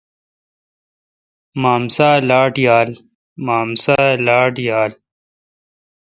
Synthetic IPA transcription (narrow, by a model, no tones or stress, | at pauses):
maːmsaːlaːʈjaːl | maːmsaːlaːʈjaːl